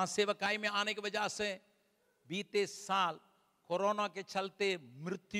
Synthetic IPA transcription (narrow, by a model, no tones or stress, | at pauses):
ãːsɪʋkaːimẽaːnẽkʋɐd͡ʒaːsẽ | biːt̪esaːl | koːɾoːnakʰeːt͡ʃʰɐlt̪emɪɾɪt̪